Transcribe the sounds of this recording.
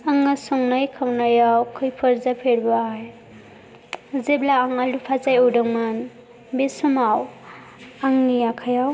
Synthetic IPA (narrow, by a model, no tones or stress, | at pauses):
aŋːasɔŋnajkʰawnajawkʰɯjpʰɯɾzapʰeɾbaj | zeblaːŋalupʰazajudɯŋman | besumaw | aŋniakʰajaw